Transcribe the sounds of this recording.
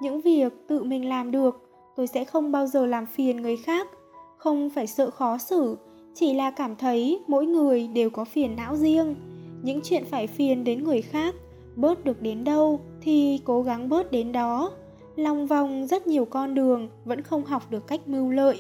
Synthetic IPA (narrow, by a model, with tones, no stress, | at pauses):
ɲɨ̰˧˥ŋvi˨˩ək̚t̪ɨ̰˧˨mï˨˩ŋ̟laː˨˩mɗɨ˨˩ək̚ | t̪o˧jsɛ̰˧˥xə˧wŋ͡mɓaː˧wzəː˨˩laː˨˩mfi˨˩ənŋɨ˨˩əjxaː˦˥k̚ | xə˧wŋ͡mfaː˧˩jsə̰ː˧˨xɔ˨˦sɨ˧˩ | t͡ɕi˧˩laː˨˩kaː˧˩mt̪ʰə˨˦jmo̰˧˥jŋɨ˨˩əjɗe˨˩wkɔ˨˦fi˨˩ənːa̰ː˧˥wzi˧əŋɲɨ̰˧˥ŋt͡ɕwḭ˧˨ənfaː˧˩jfi˨˩ənɗe˨˦nŋɨ˨˩əjxaː˦˥k̚ | ɓəː˦˥t̚ɗɨ˨˩ək̚ɗe˨˦nɗə˧wt̪ʰi˨˩ko˨˦ɣa˨˦ŋɓəː˦˥t̚ɗe˨˦nɗɔ˨˦ | la˨˩wŋ͡mva˨˩wŋ͡mzə˦˥t̚ɲi˨˩əwkɔ˧nɗɨ˨˩əŋvə̰˧˥nxə˧wŋ͡mɦa˨˩wk͡p̚ɗɨ˨˩əkːa˦˥jk̟̚mɨ˧wlə̰ː˧˨jʔ